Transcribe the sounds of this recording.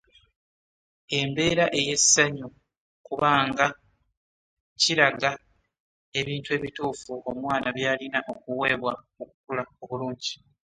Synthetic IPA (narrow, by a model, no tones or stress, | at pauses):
e̞mbe̞ːɾaʔe̞je̞sːaɲu | kuβaːŋɡa | ciɾaɡa | e̞βiːntue̞ːβituːfuʔomwaːnaβjaːlinaʔo̞kuwe̞ːβwa | okukulao̞βuluːɲɟi